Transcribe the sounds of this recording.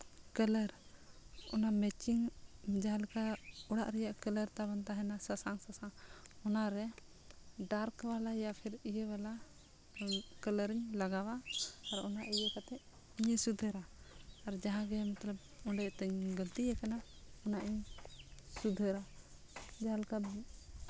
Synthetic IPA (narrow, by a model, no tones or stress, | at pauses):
kələɾ | ɔnamɛt͡ʃiŋd͡ʒaɦãlkaɔɽaʔɾɛjaʔkələɾt̪aβant̪aɦɛnasasaŋsasaŋɔnaɾɛ | ɖaɾkbalajapʰɛɾijəwala | kələɾiɲlaɡawaːɾɔnaʔijəkat̪ɛʔ | iɲəsud̪ʱəɾaːɾd͡ʒaɦãɡɛmat̪ləb̚ | ɔɳɖɛt̪ɛɲɡəlt̪ijɛkanaɔnaʔiɲ | sud̪ʱəɾa | d͡ʒalkab